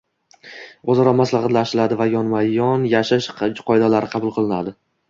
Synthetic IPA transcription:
ozɒɾɒmaslˠɑʁɑt̪laʃɪlad̪ɪvajɒnmajɒnjaʃaʃʰqʰɒjɪd̪alaɾɪqʰɑbʊlˠqʰɨlˠɪnad̪ɪ

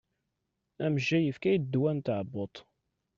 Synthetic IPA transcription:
æmʒːæjəfkæjd̪ːwænt̪əʕbot̪ˤ

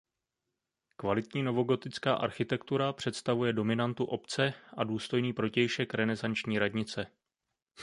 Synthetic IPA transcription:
kvalɪt̪ɲiːno̞vo̞ɡo̞t̪ɪt͡skaːʔaɾxɪt̪ɛkt̪uɾapr̝̥ɛt̪st̪avujɛdo̞mɪnant̪uʔo̞pt͡sɛʔaduːst̪o̞jniːpɾo̞cɛjʃɛkɾɛnɛzant͡ʃɲiːɾadɲɪt͡sɛ

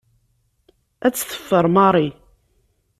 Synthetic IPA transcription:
æt͡sːθə̥fːəɾˤmɑɾˤi

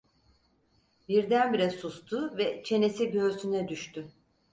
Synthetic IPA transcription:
biɾd̪ænbiɾɛsust̪ʰʊvɛt͡ʃʰe̞ne̞siɟø̞ɾsynɛd̪yʃt̪ʰy

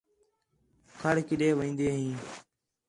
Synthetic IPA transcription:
kʰəɽkɪɗeːʋə̃ːnd̪eːɦĩː

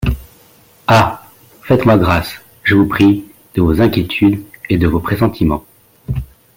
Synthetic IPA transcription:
a | fɛt̪mwaɡʁas | ʒəvupχi | d̪̥əvozɛ̃kʲjet̪ʰyd̪ed̪əvopχesɑ̃t̪ʰimɑ̰̃

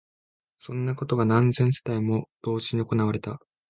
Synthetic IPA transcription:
sõ̞nːako̞t̪o̞ɡanãnd͡zẽ̞ɰ̃se̞̥d̪aimo̞d̪̥o̞ːʑiɲ̟io̞ko̞naβaɾe̞t̪a

